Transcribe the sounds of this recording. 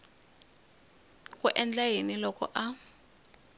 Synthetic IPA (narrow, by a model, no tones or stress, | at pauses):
k̬ʼuʔɛnd͡ɮajenilɔkɔ̰ʔa